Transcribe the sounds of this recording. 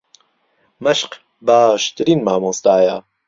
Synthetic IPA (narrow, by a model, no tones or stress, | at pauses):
mɐʃq | baːʃt̪ɨɾiːnmaːmõst̪aːja